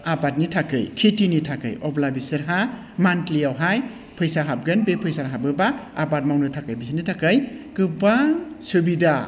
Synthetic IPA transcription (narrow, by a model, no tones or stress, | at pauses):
apat̚nitʰakɯjkʰitinitʰakɯ̰jɔplabisɯɾɦa | mantlijawɦaj | pʰɯjsaɦap̚ɡɯnbepʰɯjsaɾɦabɯbaapat̚mawnɯtʰakajbisinitʰakɯjkɯbaŋsubida